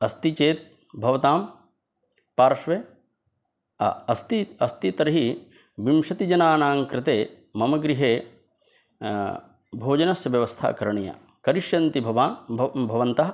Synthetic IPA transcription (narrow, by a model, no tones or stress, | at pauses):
ɐst̪it͡ʃeːt̪̚ | bʱɐʋɐt̪aːm | paːɾɐʃʋeː | ɐ̰ɐst̪iɐst̪it̪ɐɾɐɦi | ʋimʃɐt̪id͡ʒɐnaːnaːŋkɾɪt̪eː | mɐmɐɡɾiɦeː | bʱoːd͡ʒɐnɐsɐʋjɐʋɐst̪ʰa̰ːkɐɾɐɳija̰ː | kɐɾiʃjɐnt̪ibʱɐʋaːbʱɐʋɐnt̪ɐɦɐ